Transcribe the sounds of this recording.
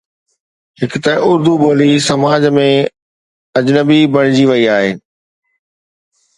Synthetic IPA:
ɦɪkt̪ɐʔʊɾd̪uɓoːlisɐmaːd͡ʑmẽ | ɐd͡ʑnəbibʱɐɽ̃ɪd͡ʑiʋɐiaːɦeː

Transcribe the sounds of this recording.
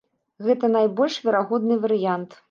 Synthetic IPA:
ɣɛt̪ɐnajbɔlʲʂvʲɛɾaɣɔd̪nɨvɐɾɨjant̪

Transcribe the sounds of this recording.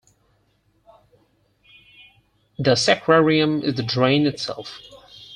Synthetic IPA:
ðəsɛkʰɹɛɹiɨ̃mɪ̰zðɨdɹẽɪ̃nɨtsɛ̰lˠf

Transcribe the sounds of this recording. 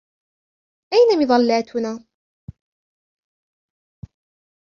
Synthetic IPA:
ʔajnamɪðˤɑlːaːt̪ʰʊnaː

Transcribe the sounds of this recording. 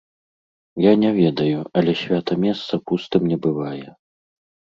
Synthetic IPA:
janʲɛvʲɛd̪ɐjuɐlʲɛsʲvʲat̪ɐmʲɛst̪sɐpust̪ɨmnʲɛbɨvajɛ

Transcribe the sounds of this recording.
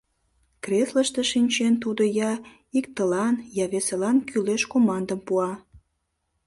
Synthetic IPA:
kresləʃt̪eʃinʲt͡ɕent̪ud̪əjɑ | ikt̪əlɑnjɑβeselɑnkʰyleʃkomɑnd̪əmpuɑ

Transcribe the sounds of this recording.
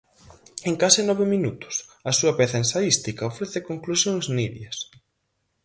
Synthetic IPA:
eŋkasɪnɔβɪminut̪ʊ̥sɐsuɐpeθɐenst̪aðist̪ikɐofɾeθɪkoŋklusjoŋsniðjɐs

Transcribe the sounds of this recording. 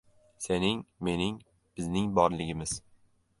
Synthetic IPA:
senɪŋme̞nɪŋ | b̥ɪznɪŋbɒɾlɪɡʲɪmɪz̥

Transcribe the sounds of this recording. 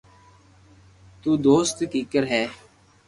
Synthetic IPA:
t̪uːd̪oːst̪kiːkəɾɦɛː

